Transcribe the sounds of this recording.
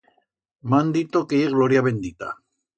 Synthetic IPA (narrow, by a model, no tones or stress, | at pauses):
mand̪it̪okeiɣloɾiaβend̪it̪a̰